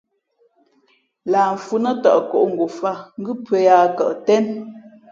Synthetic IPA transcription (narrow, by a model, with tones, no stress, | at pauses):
laː˨m̩˨fu˦nə˦ta̰˨ʔkɔ˨ʔŋ̩˨ɡo˨fa˦˨ŋ̩˦ɡʉ˦pə˨˦jaː˨kə̰˨ʔtɛ˦n